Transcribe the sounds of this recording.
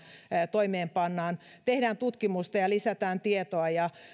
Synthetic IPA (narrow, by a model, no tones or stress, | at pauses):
t̪oimeːmpɑnːɑːn | t̪ehdæːnt̪ut̪kimust̪ɑjɑlisæt̪æːnt̪iet̪oɑjɑ